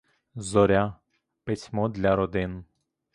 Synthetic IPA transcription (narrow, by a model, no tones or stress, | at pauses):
zɔɾʲa | pɪsʲmɔd̪lʲɐɾɔd̪ɪn